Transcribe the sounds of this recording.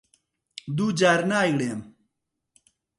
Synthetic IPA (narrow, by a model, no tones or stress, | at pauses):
d̪uːd͡ʑaːɾnaːjɡɽeːm